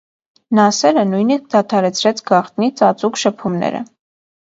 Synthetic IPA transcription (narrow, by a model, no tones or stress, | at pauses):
nɑsɛɾənujnisk̚d̪ɑt̪ʰɑɾɛt͡sʰɾɛt͡sʰɡɑχt̪̚nit͡sʰɑt͡sʼukʃəpʰumnɛ̰ɾə̰